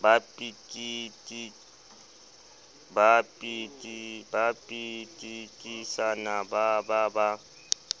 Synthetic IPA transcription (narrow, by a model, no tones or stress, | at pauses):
bapʼitʼitʼi | bapʼitʼibapʼitʼitʼisanabababa